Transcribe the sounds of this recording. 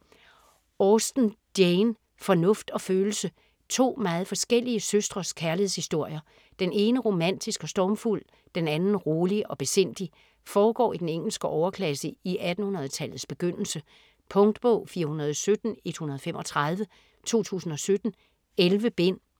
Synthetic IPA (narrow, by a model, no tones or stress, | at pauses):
ɒːsd̥n̩d̥jen | fɒ̽nɔ̽fd̥ɒ̽føːl̩sə | t͡sʰo̝̰ːmɑ̈ːð̞̩ˠfɒ̽sɡ̥el̰iəsøsd̥ʁɐskʰæɐlihe̝ð̰ˠshisd̥o̝ɐ̰jɐ | d̥ene̝ːnəʁo̝mæn̰d̥isɡ̥ɒ̽sd̥ɒːmful̰ | d̥enænn̩ʁoːliɒ̽b̥e̝sen̰d̥i | fɒːɡ̥ɒ̰ːid̥eneŋ̰l̩sɡ̥əʔɒʊɐkʰlæsəiʔæd̥n̩hunɐð̞̩ˠt͡sʰæl̰ð̩ˠsb̥e̝ɡ̥øn̰l̩sə | pʰɔ̽ŋd̥b̥ɔʊ̰fiːɐhunɐð̞ˠɒsød̥n̩e̝d̥hunɐðˠfemʔɒ̽t͡sʰʁɑð̞ˠʋə | t͡sʰo̝̰ːt͡sʰṵːsn̩ɒ̽sød̥n̩ | elʋəb̥e̝n̰